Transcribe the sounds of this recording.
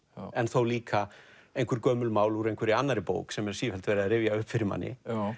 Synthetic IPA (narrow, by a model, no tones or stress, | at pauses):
ɛnθowliːkʰa | ejnŋkvʏɾkœːmʏlmaːwluɾejŋkʰvɛɾɪanːaɾɪpo̰ːwksɛmɛɾsiːfɛlt̪vejɾɪðaɾɪvjaʏhpfɪɾɪma̰nːɪ̰